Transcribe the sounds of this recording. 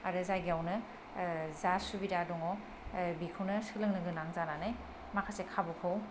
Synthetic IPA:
aɾɯzajɡiawnɯ | zasubiɾadɔŋɔ | bikʰɯwnɯsɯlɯŋnɯɡɯnaŋzananaj | makʰasekʰabukʰɯw

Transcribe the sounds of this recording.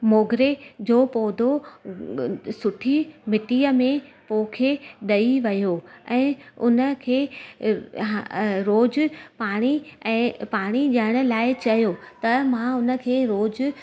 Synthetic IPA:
moːɡɾed͡ʑoːpoːd̪ʱo | sʊʈʰimɪʈiːəmẽpoːkʰeɗɐiʋɐjoɛ̃ːʊnə̆kʰeː | ɾoːd͡ʑʊpaːɽ̃iɛ̃ːpaːɽ̃iʄɐɪɽ̃ʊ̆laːɪt͡ɕɐjot̪ɐmãʊnə̆kʰeːɾoːd͡ʑʊ

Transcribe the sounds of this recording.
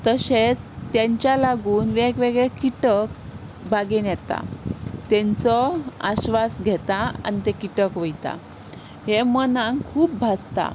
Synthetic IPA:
t̪əɕet͡st̪jẽɲt͡ɕjalaɡuːnʋekʋeɡɭekiʈək | bʱaɡenjɛt̪a̰t̪ɛ̃ɲt͡sɔa̰ɕʋasɡʱɛt̪aa̰nit̪ekiʈəkʋəjt̪a̰ | ɦemənãŋkʰuːp̚bʱast̪a̰

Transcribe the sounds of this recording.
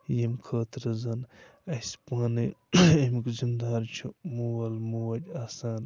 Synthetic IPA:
jemkʰɐːt̪ɾɐzɐnɐspaːniemkzind̪aːɾt͡ʃʰumuwɐlmuwɐʈʲaːsaːn

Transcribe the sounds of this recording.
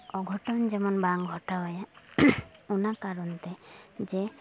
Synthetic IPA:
ɔɡʱɔʈɔnd͡ʒemɔnbaŋɡʱɔʈaɦɔja | unakaɾɔnt̪ed͡ʒe

